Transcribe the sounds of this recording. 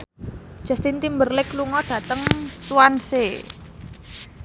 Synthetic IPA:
d̥ʒ̥a̤sint̪imbərlɪkluŋɔɖ̥ä̤t̪əŋsuwanse

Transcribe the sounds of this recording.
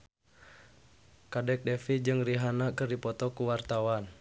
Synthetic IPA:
kadɛk̚dɛfid͡ʒɨŋriɦanakɨrdipɔt̪ɔkuwart̪awan

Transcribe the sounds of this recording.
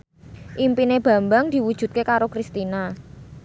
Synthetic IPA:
ʔimpineb̥ä̤mbaŋd̪̥i̤wud̥ʒ̥ṳt̪̚kekaɾokɾist̪ina

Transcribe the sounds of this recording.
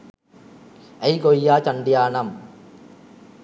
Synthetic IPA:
ɐjkojːaːt͡ʃɐɳɖjaːɳɐm

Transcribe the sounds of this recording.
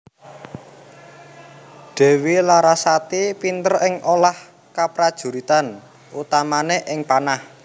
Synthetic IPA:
ɖ̥ɛ̤wilaɾasat̪ipint̪ərɪŋolah | kapɾad̥ʒ̥ṳɾit̪an | ut̪amaneʔɪŋpanah

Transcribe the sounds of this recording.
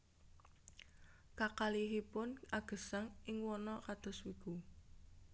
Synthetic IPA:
kakaliɦipʊnaɡ̥ə̤saŋɪŋwɔnɔkad̪̥ɔ̤swiɡ̥u

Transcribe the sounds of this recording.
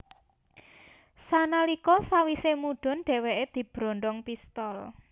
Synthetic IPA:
sanalikɔsawisemuɖ̥ɔ̤nɖ̥ɛ̤weʔed̪̥i̤b̥ɾɔ̤nɖ̪ɔŋpist̪ɔl

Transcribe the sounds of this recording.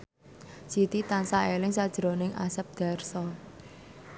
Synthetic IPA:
sit̪it̪ansaelɪŋsad̥ʒ̥əɾo̤nɪŋʔa̰səp̚d̪̥a̤rsɔ

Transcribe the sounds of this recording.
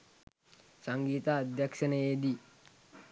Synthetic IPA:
saŋɡiːt̪aːd̪jakʃənəjed̪i

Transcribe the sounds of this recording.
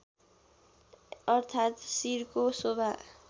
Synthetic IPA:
ʌrt̪ʰat̪siɾkosobʱa

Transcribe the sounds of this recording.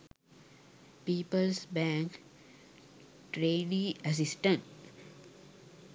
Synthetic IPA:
piːpəlsbæ̃ŋk | ʈɾeːɖĩəs̬isʈə̃ɳʈ

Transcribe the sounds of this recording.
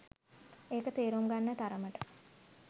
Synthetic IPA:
eːkət̪eːɾuŋɡanːət̪aɾəməʈə̥

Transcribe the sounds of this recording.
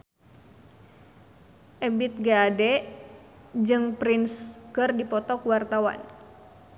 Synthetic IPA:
ʔɛbɪt̪̚ɡaːdɛ | d͡ʒɨŋpɾinskɨrdipɔt̪ɔkuwart̪awa̰n

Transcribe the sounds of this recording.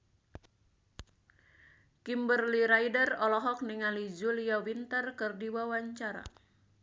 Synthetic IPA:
kimbərliɾaidərɔlɔɦɔk̚niŋalid͡ʒuliawint̪ərkɨrdiwawaɲt͡ʃaɾa̰

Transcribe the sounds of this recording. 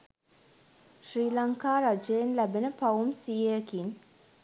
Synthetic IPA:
ʃɾiːlɐŋkaːɾad͡ʒeːnlæbenəpaumsiːekin

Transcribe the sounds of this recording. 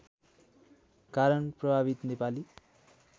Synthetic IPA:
kaɾʌnprʌbʱaβit̪nepali

